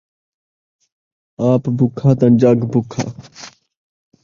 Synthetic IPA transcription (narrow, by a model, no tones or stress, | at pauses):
aːpbʱʊkʰːaːt̪ãnd͡ʒaːɡbʱʊkʰa̰ː